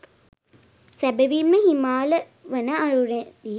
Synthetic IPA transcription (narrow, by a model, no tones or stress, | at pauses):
sæbeʋiməhimaːlə | ʋənəaɾuɾe